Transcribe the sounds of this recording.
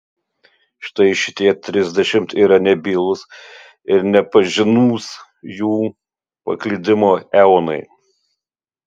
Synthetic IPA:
ʃʲɪ̥t̪ɐɪʃʲɪ̥t̪ʲiɛt̪ʲɾʲɪzʲd̪ʲɛʃʲɪmt̪iːɾɐnʲɛbʲilˠʊs | ɪɾnʲɛpɐʒʲɪnuːs | juː | pɐ̰klʲiːd̪ʲɪmoːɛʊnɐɪ

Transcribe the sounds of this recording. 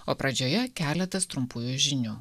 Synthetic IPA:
oːpɾɐd͡ʒʲoːjɛkʲæːlʲɛt̪ɐst̪ɾʊmpuːjuːʒʲɪnʲuː

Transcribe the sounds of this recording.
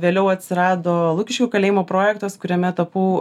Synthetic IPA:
ʋʲeːlʲɛʊɐt̪ʲsʲɪɾɑːd̪oːlˠuːkʲɪʃʲkʲoːkɐlʲeːjɪmoːpɾoːjɛk̚t̪ɐskʊɾʲɛmʲɛt̪ɐpuː

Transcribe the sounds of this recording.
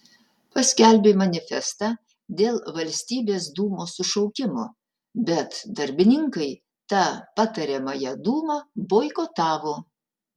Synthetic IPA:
pɐsʲkʲælʲbʲeːmɐnʲɪfʲɛ̰st̪ɑː | d̪ʲeːlˠʋɐlʲsʲt̪ʲiːbʲeːsd̪uːmoːsʊʃɔʊkʲɪmoː | bʲɛt̪d̪ɐɾʲbʲɪnʲɪŋkɐɪ | t̪ɑːpɑt̪ɐɾʲɛmɐjɛd̪uːmɐboːɪkoːt̪ɑːʋoː

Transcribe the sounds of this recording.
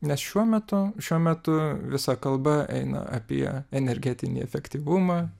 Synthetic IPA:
nʲɛsʃʲuɔmʲɛt̪ʊʃʲuɔmʲɛt̪ʊʋʲɪsɐkɐlˠbɐʔɛ̰ɪnɐ̰ʔɐ̰pʲiɛɛnʲɛɾʲɡʲæt̪ʲɪnʲḭɛfʲɛkt̪ʲiːʋʊmɑː

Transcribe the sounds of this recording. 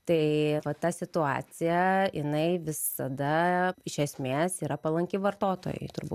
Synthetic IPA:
t̪ɐɪʋɐt̪ɑsʲɪt̪ʊɑ̰ːt͡s̪ʲɪjɛʔɪnɐɪʋʲɪsɐd̪ɐɪʃʲɛsʲmʲeːsiːɾɐpɐlˠɐŋʲkʲɪʋɐrt̪oːt̪o̰ːjɛ̰ɪt̪ʊɾbṵ

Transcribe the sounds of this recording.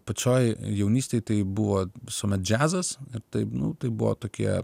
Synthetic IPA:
pɐt͡ʃʲoːjjɛʊnʲiːsʲt̪eɪt̪ɐɪbʊʋoːʋʲɪsoːmʲɛt̪̚d͡ʒʲæːzɐsɪɾt̪ɐɪpnʊt̪ɐɪbʊʋo̰ːt̪oːkʲiɛ

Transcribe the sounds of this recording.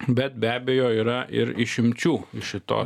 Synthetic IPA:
bʲɛt̪̚bʲæːbʲeːjoːiːɾɐʔɪ̰ɾɪʃʲɪmʲt͡ʃʲuːɪʃʲɪt̪o̰ː

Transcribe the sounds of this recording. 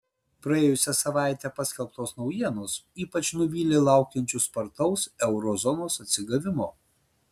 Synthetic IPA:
pɾɐeːjʊsʲɛsɐʋɑˑɪt̪ʲɛpɑsʲkʲɛlˠp̚t̪oːsnɒʊjiɛnoːsiːpɐt͡ʃnʊʋʲiːlʲeːlˠɑˑʊkʲɛnʲt͡ʃʲʊspɐɾt̪ɒʊsɛʊɾɔzɔnoːsɐt̪ʲsʲɪɡɐʋʲɪmoː

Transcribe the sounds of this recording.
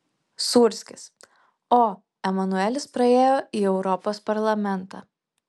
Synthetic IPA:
suɾʲsʲkʲɪs | oː | ɛmɐnʊɛlʲɪspɾɐeːjoːiːɛʊɾɔpoːspɐɾlˠɐmʲɛnˑt̪ɑ̰ː

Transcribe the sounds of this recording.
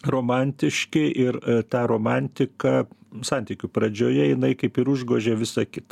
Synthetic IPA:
roːmɑnʲt̪ʲɪʃʲkʲɪʔɪrt̪ɑːɾoːmɑnʲt̪ʲɪkɑsɑˑnʲt̪ʲiːkʲʊpɾɐd͡ʒʲoːjɛjɪnɐɪkɐɪpɪɾʊʒɡoːʒʲeʋʲɪsɐkʲɪt̪ɐ

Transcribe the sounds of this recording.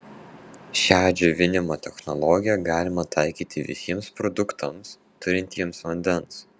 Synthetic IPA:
ʃʲæːd͡ʒʲʊʋʲɪnʲɪmot̪ʲɛxnɔlˠɔːɡʲɪjɛɡɑːlʲɪmɐt̪ɑɪkʲiːt̪ʲɪʋʲɪ̰sʲiɛmspɾɔd̪ʊkt̪ɐms | t̪ʊɾʲɪnʲt̪ʲiɛmsʋɐnʲd̪ʲɛns

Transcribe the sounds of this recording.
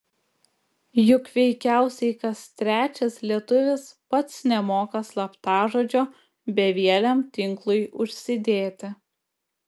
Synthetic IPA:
jʊkʋʲɛɪkʲæˑʊsʲɛɪkɐst̪ʲɾʲæːt͡ʃʲɛslʲiɛt̪ʊʋʲɪspɐt̪snʲɛmoːkɐslˠɐpt̪ɑːʒoːd͡ʒʲoː | bʲɛʋʲiɛlʲɛmt̪ʲɪŋklˠʊjʊʃʲsʲɪd̪ʲeːt̪ʲɪ

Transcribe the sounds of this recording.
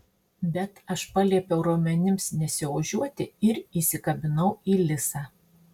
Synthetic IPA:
bʲɛt̪ɐʃpɑlʲiɛpʲɛʊɾuɔmʲɛnʲɪmsnʲɛsʲɪʋɐʒʲuɔt̪ʲɪɪɾiːsʲɪkɐbʲɪnɐʊiːlʲɪsɑː

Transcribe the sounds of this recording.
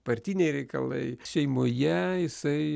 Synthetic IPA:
bɐɾʲt̪ʲiːnʲeɪɾʲɛɪkɐ̰lˠɐ̰ɪʃʲɛɪmoːjɛjɪsɐɪ

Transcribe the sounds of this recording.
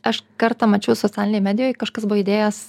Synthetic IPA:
ɐʃkɐɾt̪ɐmɐt͡ʃʲɛʊsot͡ssʲæːlʲɪnʲɛmʲæːd̪ʲɪjoːjkɐʃkɐsbʊʋɪd̪ʲeːjɛs

